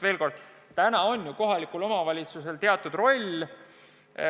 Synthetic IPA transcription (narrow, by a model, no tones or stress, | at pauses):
ve̞ːlko̞rd̪̥ | t̪ænɑo̞nʲjuko̞ɦɑlikulo̞mɑvɑlʲit̪suse̞lt̪e̞ɑt̪ːˑud̪̥ro̞lʲ